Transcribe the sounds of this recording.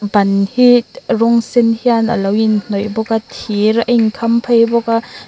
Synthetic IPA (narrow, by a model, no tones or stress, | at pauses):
bɐnhit̪rɔŋsenhianʔa̰lɐwinn̥ɔjbɔkat̪ʰiɾɐŋkʰampʰajbɔka